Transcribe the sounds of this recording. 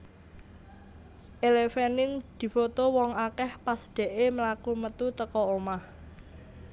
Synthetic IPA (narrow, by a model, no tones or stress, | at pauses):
ʔelefenɪŋd̪̥i̤fot̪owɔŋakɛhpasɖ̪̥ɛ̤ʔeməlakumət̪ut̪əkɔomah